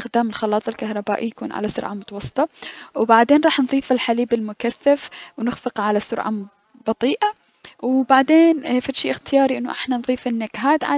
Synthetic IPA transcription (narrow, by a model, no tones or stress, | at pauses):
ɪxd̪aːmɪlxɑlɑːt̪ˤɪlkahɾˤɑbaːʔijakṵːnʕa̰lasʊ̰ɾʕamʊt̪ɑwɑsˤːɨ̥t̪ˤɑwbaʕd̪eːnɾˤɑːħnðˤiːfɪlħaliːbɪlmʊkaθːafwnɪxfɨqʕalasʊɾʕa̰ | bɑt̪ˤiːʔa | wbaʕd̪eːnfaʃiːʔɪxt̪ɪjɑːɾiʔɪnːʊʔɪ̰ħnanðˤiːfɪnːakɦaːt̪ʕa